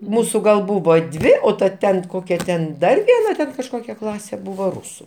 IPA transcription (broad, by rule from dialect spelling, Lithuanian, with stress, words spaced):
ˈmuːsʊ ɡɐlˠ ˈbuːʋoː ˈdʲʋʲɪ oː tɐ ˈtʲɛn ˈkoːkʲɛ tʲɛn ˈdɐr ʋʲiɛˈnɐ ˈtʲɛn kɐʃˈkoːkʲɛ ˈklˠɑːsʲeː ˈbʊʋoː ˈrʊsʊ